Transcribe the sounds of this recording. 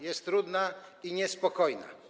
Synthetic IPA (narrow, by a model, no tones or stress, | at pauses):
jɛst̪ːɾud̪naiɲɛspɔkɔjna̰